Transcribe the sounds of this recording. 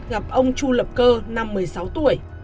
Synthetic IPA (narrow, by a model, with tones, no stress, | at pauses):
ɣa˨˩p̚ʔə˧wŋ͡mt͡ɕu˧lə˨˩p̚kəː˧na˧mːɨ˨˩əjsa˨˦wt̪ṵ˧˩˨əj